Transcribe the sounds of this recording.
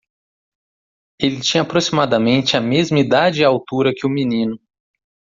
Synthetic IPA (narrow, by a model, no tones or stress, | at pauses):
elɪt͡ʃĩɲɐːpɾosimad̪ɐmẽnt͡ʃɪɐmezmɐid̪ad͡ʒɪawt̪uɾɐkɪʊminĩnʊ